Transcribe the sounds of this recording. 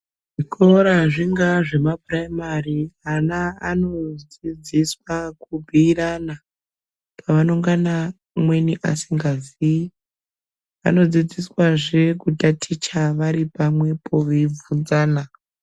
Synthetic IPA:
ʐikʰoɾaʐiŋɡaʐe̞map̚raimarianaa̰no̞d͡zid͡ziswakubʱiːɾana | pʰaʋanoŋɡana | mwe̞niʔasiŋɡazi | a̰no̞d͡zid͡ziswaʐekutatʰit͡ʃaʋaɾipamwe̞pʰo̞ʋib͡vund͡zaːna

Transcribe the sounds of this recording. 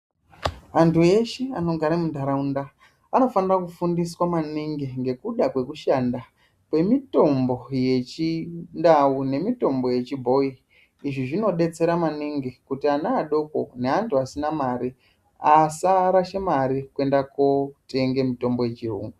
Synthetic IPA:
antʰue̞ʃeano̞ɡʱaɾamundʱaɾaunda | ano̞fanirakufundiswamaniŋɡiŋɡe̞kuɗakwe̞kuʃanda | pwe̞mito̞mbo̞je̞t͡ʃindaune̞mito̞mbo̞je̞t͡ʃibʱo̞i | iʐiʐino̞ɗe̞t͡se̞ɾamaniŋɡikutianaːɗo̞ko̞̰neantʰuasinamaɾi | asaɾaʃemaɾikue̞ndakote̞ŋɡemito̞mbo̞je̞t͡ʃirṵːŋɡu

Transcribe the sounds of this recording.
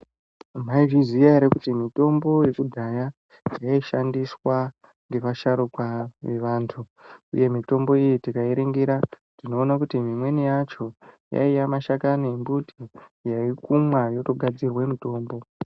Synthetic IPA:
amaiʐizijaɾekutimito̞mbo̞je̞kudʱaja | jaiʃandiswa | ŋɡe̞ʋaʃaɾukwaʋe̞ʋaːntʰu | ṵje̞mito̞mbo̞ijitikaeɾeŋɡeɾa | d̥ino̞ːnakutimimwe̞nijat͡ʃo̞ja̰ijamaʃakanembutʰijaikumwajo̞to̞ɡʱad͡zirwe̞mito̞ːmbo̞

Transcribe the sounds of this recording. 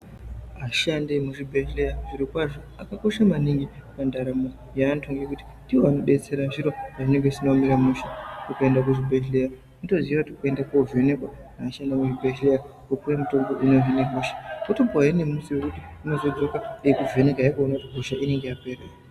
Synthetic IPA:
ɦaʃandemuʐibʱeʃlejaʐiɾikwaʐo | akako̞ʃamaniŋɡipandaɾamo | jaːntʰoŋɡekuti̥ndiwoanoɗe̞t͡se̞ɾanʐiɾoaʐine̞ŋɡesinomiɾamuʃḁtukaendak̬uʐibʱeɬleja | nito̞ziʋakutiukoendakouve̞ne̞kwa | aːʃandemuʐibʱeɬleja | kokuremito̞ŋɡo̞ʔinoɦineɦuʃḁkotoboaɦenemusiwekutiuno̞zo̞d͡zo̞kaejekuve̞ne̞kajakuonakutiɦuʃaʔine̞ŋɡe̞jape̞re

